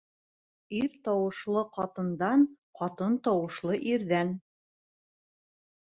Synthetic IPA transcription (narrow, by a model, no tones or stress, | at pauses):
iɾt̪ɑwɤ̆ʃlˠɤqɑt̪ɤ̆nd̪ɑn | qɑt̪ɤnt̪ɑwɤ̆ʃlˠɤʔiɾðæn